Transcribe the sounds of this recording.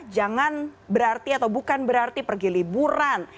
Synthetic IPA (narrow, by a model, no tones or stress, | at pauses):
d͡ʒaŋanbəɾart̪iat̪awbukanbəɾart̪ipərɡilibuɾan